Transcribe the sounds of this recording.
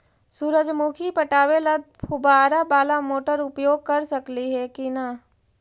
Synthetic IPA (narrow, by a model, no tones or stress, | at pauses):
suːɾəd͡ʒmukʰipɐʈaːʋelɐd̪̚pʰʊbaːɾabaːlamoːʈəɾʊpjoːɡ̚kɐɾsɐkliɦɛkinɐ